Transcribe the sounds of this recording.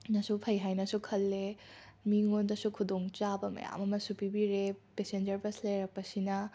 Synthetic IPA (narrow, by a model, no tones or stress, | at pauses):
nɐsupʰɐjɦajnɐsukʰɐlːemiŋondɐsukʰudoŋt͡ʃabɐmɐ̰ja̰mɐmɐsupibiɾepesend͡ʒɐɾpɐslɐjɾɐk̚pɐsinɐ